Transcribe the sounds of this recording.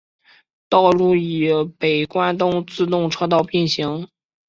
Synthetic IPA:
t̪ɑ˥˧ʊlu˥˩i˨˩pe˨˩ɪkwa˥nt̪ʊ˥ŋt͡sɹ̩˥˧t̪ʊ˥˧ŋʈ͡ʂʰɤ˥t̪ɑ˥˧ʊpi˥˩nɕi˧˥ŋ

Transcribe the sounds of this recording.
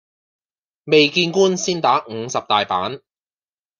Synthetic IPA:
me˨jkiː˧nkuː˥nsiː˥nt̪aː˨˥ŋ̩˨˧sɐ˨p̚t̪aː˨jpa̰ː˨˥n

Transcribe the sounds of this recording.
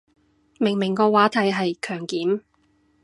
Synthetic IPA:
mɪ˨˩ŋmɪ˨˩ŋkɔː˧waː˨˥t̪ʰɐ˨˥jɦɐ˨jkʰœː˨˩ŋkiː˨˥m

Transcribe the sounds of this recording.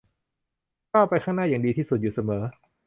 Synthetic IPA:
kʰa˥˩wpa˧jkʰaː˥˩ŋnaː˥˩ja˨˩diː˧t̪ʰiː˥˩su˨˩t̪̚juː˨˩sa˧mɤː˩˦

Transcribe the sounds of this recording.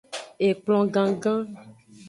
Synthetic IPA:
e˨k͡plɔ̃˨ɡã˨ɡã˦

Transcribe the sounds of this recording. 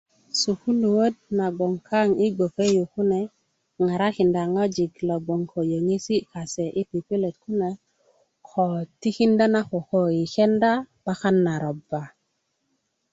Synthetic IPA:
su˨ku˦lu˨wo˦d̚na˨ɡɔ˨ŋkʰa˦˨ŋi˦ɡo˨ke˦ju˨ku˦ne˨ | ŋa˨ɾa˦ki˨nda˨ŋa˦d͡ʒi˨ɡlɔ˨ɡo˨ŋko˨jo˨ŋe˦si˦ka˨sɛ˨ʔi˦pi˨pi˦le˨t̪̚ku˦ne˨ | kʰɔ˨t̪i˦ki˦nda˦na˦ko˨ko˨i˨kɛ˦nda˦b̥a˦xa˦nːa˨ɾɔ˨ba˨

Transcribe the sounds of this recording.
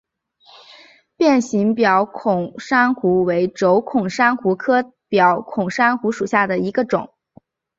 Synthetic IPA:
pjɛ˥˩nɕi˧˥ŋpjɑ˨˧˥ʊkʰʊ˨˩ŋʂa˥nxu˧˥we˧˥ɪʈ͡ʂo˧˥ʊkʰʊ˨˩ŋʂa˥nxu˧˥kʰɤ˥ | pjɑ˧˥ʊkʰʊ˨˩ŋʂa˥nxu˧˥ʂu˨˩ɕja˥˩d̪ə˩i˧˥ɡə˧ʈ͡ʂʊ˨˩˦ŋ

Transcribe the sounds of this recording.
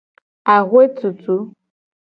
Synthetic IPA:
a˨ɣwe˦tu˨tu˦

